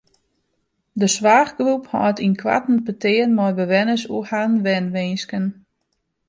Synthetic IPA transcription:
dəsʋaːxɡruphɔ̰ːtʰinkʰwa̰tn̩pətɪːənmɔjbəʋɛnəsuhanʋɛnʋɪnskən

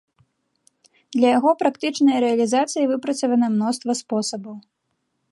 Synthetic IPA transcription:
d̪lʲɐjaɣɔpɾakt̪ɨt͡ʂnɐjɐɾɛɐlʲizat̪sɨjivɨpɾɐt̪sɐvɐnɐmnɔst̪vɐspɔsɐbɐw

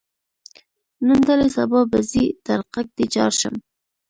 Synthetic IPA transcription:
nənd̪alesabɑbazid̪aɾqak̚d̪et͡ʃɑ̰ɾʃə̰m

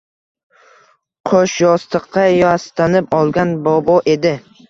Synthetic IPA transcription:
qʰoʃjɒst̪ɨqʰːɑjast̪anɪpɒlˠɡʲanbɒbɒʔe̞d̪ɪ

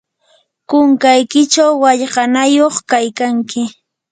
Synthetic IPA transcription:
kʊŋkajkɪt͡ʃawːaʎɢɑnajoχkajkaŋkɪ

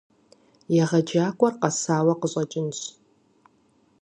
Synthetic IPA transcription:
jaʁɐd͡ʒaːkʷʼɔrqɐsaːwɐqəɕʷʼɐt͡ʃʼɪnɕ

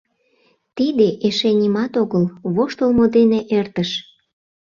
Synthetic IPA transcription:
t̪id̪eʔeʃenʲimɑt̪oɣəlβoʃt̪olmod̪eneʔert̪əʃ

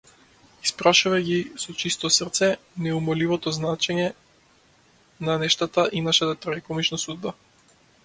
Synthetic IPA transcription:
ispɾaʃuvaɡisɔt͡ʃist̪ɔsrt̪sɛnɛumɔlivɔt̪ɔznat͡ʃɛɲɛ | nanɛʃt̪at̪aʔinaʃat̪at̪ɾaikɔmit͡ʃnasud̪̚ba

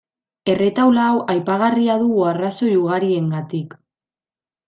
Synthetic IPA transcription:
e̞re̞t̪awlaːwʔajpaɣ̞ariaðuɣuaraso̞juɣ̞aɾie̞ŋɡat̪ik

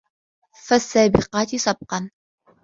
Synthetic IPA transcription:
fasːaːbɪqɑːt̪isˤɑb̚qɑn

